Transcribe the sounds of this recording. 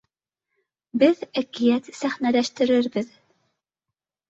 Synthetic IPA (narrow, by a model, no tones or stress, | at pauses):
bɘðækijæt̪sæχnælæʃt̪ɘ̆ɾɘɾbɘð